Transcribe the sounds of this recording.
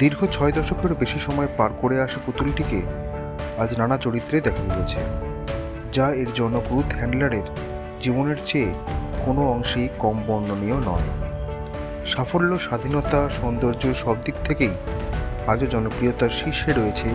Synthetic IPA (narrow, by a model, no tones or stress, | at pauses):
d̪iɾɡʱot͡ɕʰɔed̪ɔʃokeɾbeʃiʃɔmɔepaɾkoɾeaʃaput̪uliʈike | ad͡ʑnanat͡ɕoɾit̪ːɾed̪ɛkʰajet͡ɕʰe | d͡ʑaeɾd͡ʑɔnːoɡɾut̪ʰɦɛɳɖlaɾeɾ | d͡ʑiboneɾt͡ɕeːkonoɔŋʃejkɔmbɔnːonionɔe | ʃafolːoʃad̪ʱinot̪aʃɔnd̪oɾd͡ʑoɾʃɔb̚d̪ik̚t̪ʰekej | ad͡ʑod͡ʑɔnokɾijot̪aɾʃiʃːeɾojet͡ɕʰe